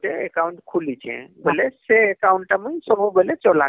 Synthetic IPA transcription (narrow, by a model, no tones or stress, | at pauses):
ʈeekaũɳʈkʰulit͡ʃʰɛ̰̃beleseːkawuɳʈʈamesəbʱubelet͡ʃɔla